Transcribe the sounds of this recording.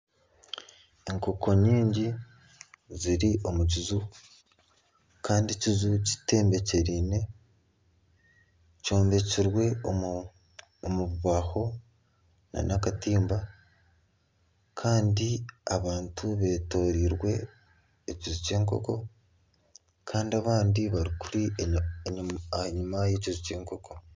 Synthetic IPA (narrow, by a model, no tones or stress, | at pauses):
e̞ŋko̞kʰo̞ɲiːɲɟi | ziɾiʔo̞muɟizu | kaːndicizuci̥te̞ːmbe̞ce̞ɾine̞ | co̞ːmbe̞ciɾwe̞ | muβuβaho̞ | na̰nʔakatiːmba | kʰaːndiaβaːntʰuβe̞ːto̞ːɾiɾwe̞ː | cizuce̞ːŋko̞̰ko̞ | kʰaːndiaβaːndiβaɾikuɾi | ɲumajecizuce̞ːŋko̞ko̞